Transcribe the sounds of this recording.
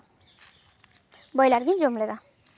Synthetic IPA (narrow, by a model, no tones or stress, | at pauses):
bɔjlaɾbind͡ʒomled̪a